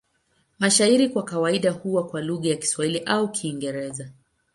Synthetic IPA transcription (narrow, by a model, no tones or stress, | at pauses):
maʃaiɾikwakawaiɗahuwakwaluɣajaki̥swahiliʔaukʰiːŋɡɛɾɛza